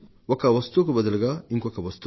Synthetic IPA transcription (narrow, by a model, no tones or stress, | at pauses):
wɔkːɐwɐst̪uk̬ubɐd̪ɐlɐɡaːiŋkɔkːɐʋɐst̪ː